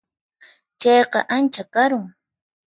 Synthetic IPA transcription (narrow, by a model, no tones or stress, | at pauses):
t͡ʃɑjqɑ̰ʔant͡ʃakaɾʊŋ